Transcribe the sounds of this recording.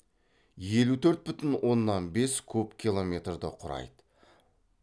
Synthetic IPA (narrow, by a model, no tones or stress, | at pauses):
je̞lut̪ʰɵɾt̪̚bʏt̪ɪnwʔo̞nːɑnbe̞skʲʰɵpkʲʰilˠo̞mʲe̞t̪rd̪əqʰʊɾɑ̰jd̪ə̥